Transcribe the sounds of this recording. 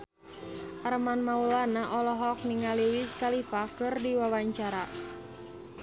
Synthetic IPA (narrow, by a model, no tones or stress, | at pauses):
ʔaɾəmanmaulanaʔɔlɔɦɔk̚niŋaliwiskalifakɨrdiwawaɲt͡ʃaɾa